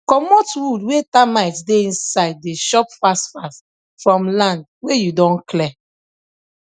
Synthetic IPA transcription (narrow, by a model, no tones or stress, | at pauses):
kɔmotwudwetamaɪtdeĩnsaɪd̚ːeʃɔpfastfas | fɹɔ̃mlãnd̚ | wejudɔ̃nklɛ